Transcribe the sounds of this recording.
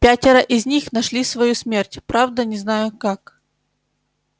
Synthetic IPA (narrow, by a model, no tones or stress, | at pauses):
pʲætʲɪɾəʔɪzʲnʲixnɐʂlʲisvɐjusmʲertʲpɾavd̪ənʲɪznajʊkak